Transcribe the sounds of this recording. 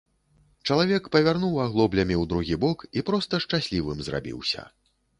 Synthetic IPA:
t͡ʂɐlˠavʲɛkpɐvʲarnuwaɣlˠɔblʲɐmʲiwd̪ɾuɣʲibɔkipɾɔst̪ɐʂt͡ʂasʲlʲivɨmzra̰bʲḭwsʲɐ̰

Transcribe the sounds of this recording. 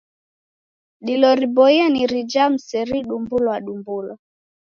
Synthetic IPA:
ɗilɔɾibɔianiɾid͡ʒam̩sɛɾiɗumbulwaɗumbula

